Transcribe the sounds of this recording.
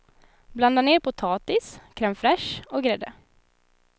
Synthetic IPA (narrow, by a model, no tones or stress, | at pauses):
bland̪aneːɾpʰʊt̪ʰɑːt̪ɪskʰɾɛmfɾɛʂɔɡɾɛd̪ə